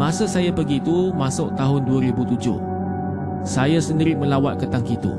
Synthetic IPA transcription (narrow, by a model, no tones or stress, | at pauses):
mãsəsajapəɡit̪umãsʊʔt̪aɦʊnduaɾibut̪ud͡ʒʊ̰h | sajasəndiɾɪʔmə̃lawat̪̚kət̪aŋkit̪ṵ